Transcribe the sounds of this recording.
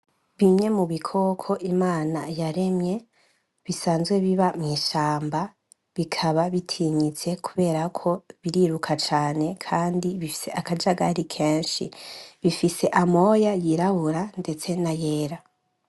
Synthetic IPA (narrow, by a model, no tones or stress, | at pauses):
βiɲɲe̞muβikʰo̞kʰo̞ʔimaːnajaɾe̞mɲe̞ | βisaːnzɡwe̞βiβamŋiːʃaːmba | βikʰaβaβitʰiɲit͡se̞kʰuβe̞ːɾakʰo̞βiɾiɾukʰat͡ʃaːne̞kʰaːndiβifi̥se̞ʔakad͡ʒaɡa̰ɾikʰe̞ːnʃḭβifise̞ʔamo̞ːjajiɾaβuɾande̞t͡se̞naje̞ːɾa